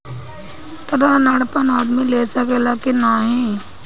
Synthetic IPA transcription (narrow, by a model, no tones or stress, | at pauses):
t̪ɐɾanaːɽpənaːd̪mileːsakelaːkenaːɦĩ